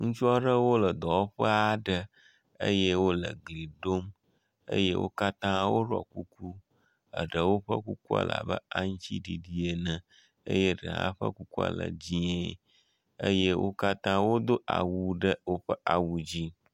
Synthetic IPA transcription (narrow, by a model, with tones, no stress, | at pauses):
ŋũ˦t͡ʃu˦a˦ɖə˦wo˦lə˨d̪ɔ˨wo˦ɸə˦a˦ɖə˦ | ə̰˦je˦wo˦lə˨ɡli˨ɖo˦m | ə̰˦je˦wʔo̰˦ka˦t̪ã˦wo˦ɖɔ̰˨ku˦ku˦ | ə̰˨ɖə˨wo˦ɸə˦ku˦ku˦a̰˨la̰˨bə̰˦a˦ŋ̩˦t͡ɕi˦ɖi˨ɖi˦e˨nə̃˨ | ə̰˦je˦ɖə̰˨a̰˦ɸə̰˦ku˦ku˦a̰˨lə̰˨d͡ʑi˦e˨ | ə˦je˦wʔo̰˦ka˦t̪ã˦wo˦d̪o˦a̰˨wu˨ɖə˦wo˦ɸə˦ʔa˨wu˨d͡ʑi˦